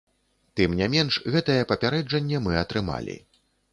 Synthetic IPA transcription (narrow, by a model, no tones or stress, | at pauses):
t̪ɨmnʲɛmʲɛnʂɣɛt̪ɐjɛpɐpʲaɾɛd͡ʐɐnʲːɛmɨɐt̪ɾɨma̰lʲḭ